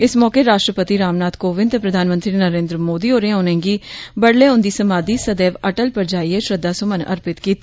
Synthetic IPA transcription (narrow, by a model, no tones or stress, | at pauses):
ɪsmɔːkeɾaːʃʈɾəpət̪iɾaːmnaːt̪koːʋɪ̃nt̪epɾəd̪ʱaːnmə̃nt̪ɾiːnəɾẽːnd̪ɾəmoːd̪iːoːɾẽonẽːɡiːbəɽleːʊnd̪iːsəmaːd̪iːsəd̪eːʋəʈəlpəɾd͡ʒaːiːeʃɾəd̪ːaːsʊmənə̰ɾpɪt̪kiːt̪ː